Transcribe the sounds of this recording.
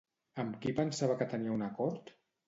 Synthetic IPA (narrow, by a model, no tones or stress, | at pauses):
əmkipənsaβəkət̪əniəunakɔɾt̪